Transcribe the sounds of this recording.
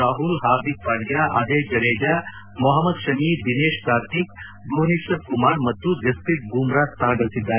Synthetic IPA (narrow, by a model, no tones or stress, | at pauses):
aːɦulɦaːd̪ik̚paːɽjaːʔɐ̰d̪eːd͡ʒɐɽeːd͡ʒaː | mɔɦɐmːɐd̪ʃɐmid̪ineːʃkaːɾt̪ik̚ | boːniʃɐɾkumaːɾmɐt̪ːud͡ʒɐst̪it̪̚ɡuːmɾaːtt̪aːd̪ɐlsid̪ːaːɾe